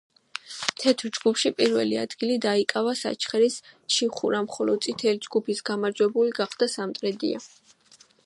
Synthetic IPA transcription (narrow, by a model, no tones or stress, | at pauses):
t̪ʰɛt̪ʰɾd͡ʒɡupʃipʼiɾvɛ̰lia̰d̪̥ɡilid̪aikʼavasa̰t͡ʃʰχɛɾisʃʰiχuɾamχɔlɔd̪̚sʼit̪ʰɛlid͡ʒɡupʰisɡ̥amaɾd͡ʒwɛbuliɡaχd̪̥asamt̪ʼɾɛd̪ḭa̰